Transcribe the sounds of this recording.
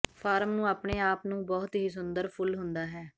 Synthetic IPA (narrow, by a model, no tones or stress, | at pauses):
pʰaːɾmnũːaːpɳeːaːpnũːbɔːt̪ɦiːs̬ʊnd̪əɾpʰʊlɦʊnd̪aːɦɛː